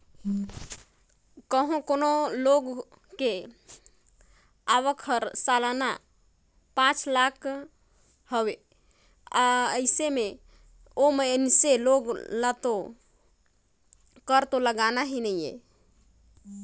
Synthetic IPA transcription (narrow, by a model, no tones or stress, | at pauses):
kəɦõkonoloɡ | ke | aʋəkʰəɾsalna | pãt͡ʃlakʰ | həwe | aəɪseme | omeənseloɡlat̪o | kəɾt̪oləɡanaɦinəijḛ